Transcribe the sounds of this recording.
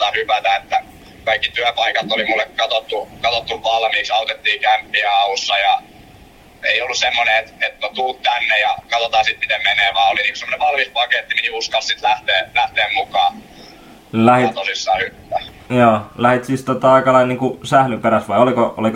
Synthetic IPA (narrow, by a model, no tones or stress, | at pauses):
ɑhypæt̪æet̪ːæ | kɑikːit̪yæpɑikɑt̪olimulːekkɑt̪ot̪ːukɑt̪ot̪ːuʋʋɑlmiːksɑut̪et̪ːiːkæmpːiæɑusːɑjɑ | eiolːussemːoneet̪et̪not̪uːt̪t̪ænːejɑkɑt̪ot̪ɑːsit̪mit̪emmeneːʋɑːoliniŋku̥semoneʋɑlmispɑket̪ːiminiuskɑlssit̪læht̪eːlæht̪eːmmukɑː | læhitt̪osisːɑːhypæt̪æ | joːlæhit̪sist̪ot̪ɑɑikɑlɑinniːŋkusæhlypeɾæsʋɑiolikoʔo̰lik